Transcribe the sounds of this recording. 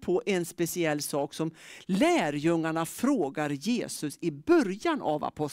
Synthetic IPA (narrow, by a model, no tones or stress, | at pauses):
pʰɔʔɛnspɛsɪɛlːsɑːksɔmlæːɾjɵŋːaɳafɾoːɡaɾjeːsɵsɪbœɾjanʔa̰va̰pʰɔ